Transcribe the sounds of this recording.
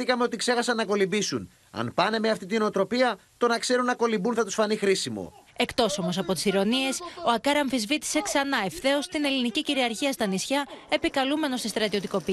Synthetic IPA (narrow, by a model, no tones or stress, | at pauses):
ikɐme̞o̞t̪ikse̞xɐsɐnːɐko̞libisun | ɐ̰npɐne̞meɐft̪it̪inoot̪ɾo̞piɐt̪o̞nɐkse̞ɾunːɐko̞libunθɐt̪usfɐnixɾisimo̞̰e̞kt̪o̞so̞mo̞sɐpo̞t̪i̥siɾo̞nie̞so̞ɐkɐɾɐɱfizvit̪i̥se̞ksɐnɐe̞fθe̞ost̪ine̞liniciciɾiɐɾçiɐst̪ɐnisçɐe̞pikɐlume̞no̞st̪ist̪ɾɐt̪io̞t̪iko̞pi